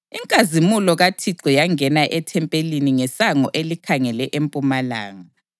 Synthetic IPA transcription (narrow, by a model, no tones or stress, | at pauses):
iŋkʼazimulɔɣatʰiǀɔjaŋɛnaʔɛtʰɛmpʼeliniŋɛsaŋɔʔelikʰaŋɛlɛʔempʼumala̰ːŋa